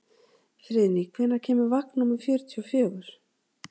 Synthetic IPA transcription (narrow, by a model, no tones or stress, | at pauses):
θɾɪːðnikʰvɛnːaɾ̥cʰɛːmʏɾvahknumɛɾ̥fjœːɾʏt̪ʰjɔfjœːɣʏɾ̥